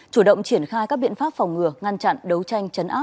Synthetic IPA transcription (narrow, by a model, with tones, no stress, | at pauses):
t͡ɕu˧˩ɗə̰˧˨wŋ͡mt͡ɕi˧˩ənxaː˧jkaː˦˥k̚ɓḭ˧˨ənfaː˦˥p̚fɔ˨˩wŋ͡mŋɨ˨˩əŋa˧nt͡ɕa̰˧˨nɗə˨˦wt͡ɕa˧jŋ̟t͡ɕə˨˦nʔaː˦˥